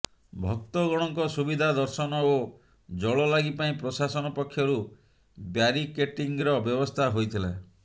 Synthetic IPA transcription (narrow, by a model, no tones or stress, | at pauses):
bʱɔk̚t̪ɔɡɔɽ̃ɔŋkɔsubid̪ʱad̪ɔɾsɔnɔo | d͡ʒɔɭɔlaɡipaĩpɾɔsasɔnɔpɔkʰːjɔɾu | bjaɾikeʈiŋɾɔbjɔbɔst̪ʰaɦojt̪ʰila